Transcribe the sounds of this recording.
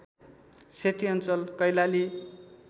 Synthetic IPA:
set̪iʌnt͡sʌlkʌjlali

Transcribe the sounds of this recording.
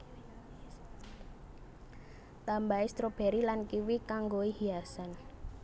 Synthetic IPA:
t̪ambaist̪ɾob̥ɛ̤ɾilankiwikaŋɡoihiasan

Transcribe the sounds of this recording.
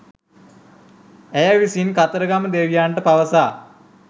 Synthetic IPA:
æjaʋisinkat̪əɾəɡaməd̪eʋijaːɳʈəpaʋəsaː

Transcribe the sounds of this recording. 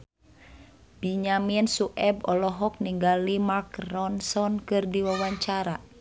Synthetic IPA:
b̥iɲaminsuʔɛbɔlɔɦɔk̚niŋɡalimakɾɔnsɔnkɨrdiwawaɲt͡ʃaɾa

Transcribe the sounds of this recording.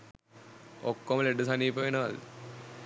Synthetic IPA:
okːoməleɖəsaniːpəʋenəʋal

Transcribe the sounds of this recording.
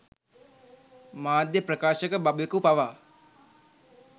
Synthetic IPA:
maːd̪jəpɾəkaːʃəkəbabekupaʋaː

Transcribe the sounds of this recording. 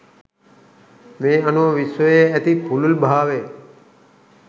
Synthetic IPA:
ʋẽːənoʋisəeət̪ipʰululbʱaːʋeː

